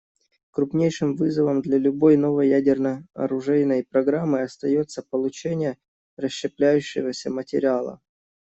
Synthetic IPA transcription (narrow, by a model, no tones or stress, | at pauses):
kɾʊpnʲejʂɨmvɨzəvəmd̪lʲɐlʲʊbo̞jno̞vəjjædʲɪrnəɐ̰ɾʊʐɛjnəjpɾɐɡɾamːɨɐst̪ɐjo̞t̪səpəlˠʊt͡ɕenʲɪjə | rəɕːɪplʲæjʉɕːɪvəsʲəmətʲɪɾʲɪalˠə̰